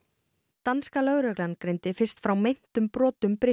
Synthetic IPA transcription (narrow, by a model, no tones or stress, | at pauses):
t̪anskalœɣɾœklankɾejnt̪ɪfɪr̥st̪fɾawmejn̥t̪ʏmpɾɔːt̪ʏmpɾɪ